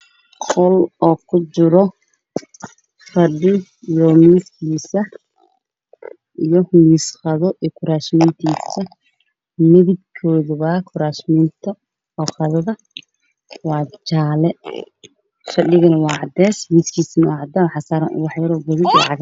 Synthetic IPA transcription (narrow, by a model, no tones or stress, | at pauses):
qɔlɔːkʰʊt͡ʃɪɾɔ | fɐɖɪ | ijɔmiːskʰiːsɐ | ʔijɔmiːsχɑðɔʔijkʰʊɾaːʃmɪnt̪ʰiːsɐ | mɪðɪd̪̚kʰɔːðʊβɐkʰʊɾaːʃmɪnt̪ʰɐ | ɔːχɐðɐðɐ | wɑːt͡ʃaːlɛ | fɐɖɪɣɐnɐwɑːʕɑd̪ɛːsmiːskʰiːsɐnɐwɑːʕɑd̪ɐħɑsaːɾɐnʔʊ̰wɑħjɐɾɔːɡʊðɪdl̰ʕɑɣɐ